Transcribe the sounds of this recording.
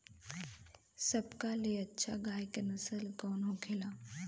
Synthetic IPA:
səbkaleətːʃʰa̰ɡajkənəsəlkɔːnɦoɡʰela

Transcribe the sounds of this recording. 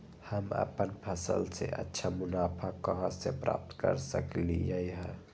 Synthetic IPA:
hamʔa̰pɐnpʰasə̰lseʔɐ̰t̪ːt͡ʃʰamunapʰakːaɦasepɾa̰p̚t̪kɐɾsaklijajɦa

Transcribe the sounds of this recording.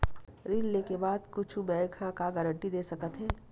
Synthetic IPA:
ɾiːlːekebaːd̪kʊt͡ʃʰubɛːkʰãkaɡəɾə̃ɳʈid̪eːsɐkət̪ɦɛː

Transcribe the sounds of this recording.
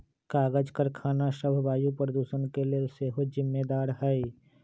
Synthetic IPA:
kaːɡəd͡ʒkəɾkʰaːnaʃəbʱbaːjupɾəd̪uːsənkeleseːɦod͡ʒɪmːed̪aːɾɦəi

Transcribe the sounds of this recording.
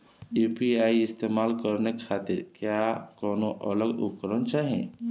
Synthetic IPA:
juːpiaːiɪst̪eːmaːlkəɾneaːt̪ɪɾkjakɔːnoʔə̰ləɡʊ̰kəɾənt͡ʃaːɦḛ̃

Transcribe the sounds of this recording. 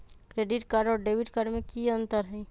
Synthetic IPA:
kɾeːɖɪʈkaɾɖɔːɾɖeːʋɪʈkaɾɖmẽkiə̃nt̪əɾɦɛ

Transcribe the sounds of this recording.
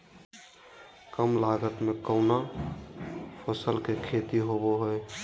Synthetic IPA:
kəmlaɡət̪mekəʊna | pʰəsəlkekʰet̪iɦoboɦoe

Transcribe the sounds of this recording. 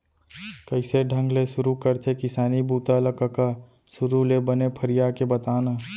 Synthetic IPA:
kɐɪseɖʱə̃ŋɡlesʊɾukəɾt̪ʰekɪsaːnibuːt̪aləkəka | sʊɾulebənepʰəɾijakebɐt̪aːnaː

